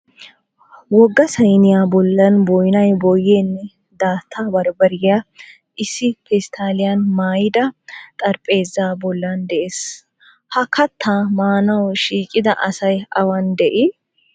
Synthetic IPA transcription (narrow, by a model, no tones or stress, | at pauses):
wɔɡːɐsɐjnɪjaːbɔlːɐnbɔjnɐjbɔjeːnːɛ | d̪aːt̪ʰːabɐɾbɐɾɪja | ʔɪsːɪpɛst̪ʰaːlɪjɐnmaːjɪd̪ɐt̪ʼɐɾpʼːe̞ːzːaːbɔlːɐnd̪ɛʔeːs | hɐkʰɐt̪ʰːaːmaːnɐwʃiːkʼːɪd̪ɐʔɐsɐjɐwɐnd̪ɛʔɪ